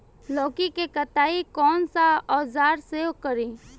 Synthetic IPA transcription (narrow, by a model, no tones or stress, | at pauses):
lɔːkikekət̪aːikɔːnsaɔːzaːɾseːokəɾĩː